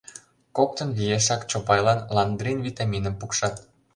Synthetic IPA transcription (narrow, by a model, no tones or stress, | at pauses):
kok̚t̪ə̆nβijeʃ̬ɑkt͡ɕopɑjlɑnlɑnd̪rinvʲit̪ɑmʲinəmpukʃɑt̪̚